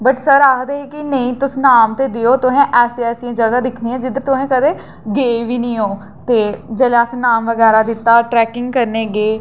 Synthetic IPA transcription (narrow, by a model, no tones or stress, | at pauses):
bəʈsəɾaːɦd̪eːeːkɪnəĩːt̪ʊsnaːmt̪eːd̪eoːt̪ʊɦɛ̃ːʔɛːseːɛːsijãːd͡ʒəɡaːd̪ɪkʰniːɛ̃ːd͡ʒɪd̪əɾt̪ʊɦɛ̃ːkəd̪eː | ɡeːʋiːnĩːoː | t̪eːd͡ʒəleəsnaːmʋəɡɛːɾaːd̪ɪt̪ːaːʈɾɛːkɪ̃ŋɡkəɾneːɡeː